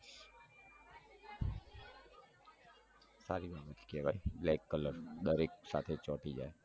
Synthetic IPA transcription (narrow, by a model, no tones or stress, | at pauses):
saːɾibaːbət̪keʋaibleːkːələɾɗ̪əɾeːksa̰ːt̪ʰet͡ʃɔ̃ːʈ̪id͡ʒa̰ːe